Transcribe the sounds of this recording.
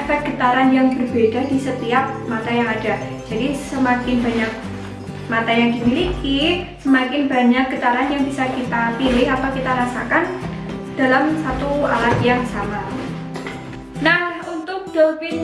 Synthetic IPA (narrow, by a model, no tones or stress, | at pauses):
abat̪̚ɡ̥ət̪aɾanjaŋbərbed̥ad̥isət̪iap̚mat̪ajaŋad̥ad͡ʒadisəmakɪnba̤ɲak̚ | mat̪ajaŋdimilikisəmakɪnbaɲak̚ɡ̥ət̪aɾanjaŋbisakit̪apilɪɦapakit̪aɾasakan | d̥alamsat̪ua̰lat̪jaŋsama | nahunt̪ʊk̚d̥opɪn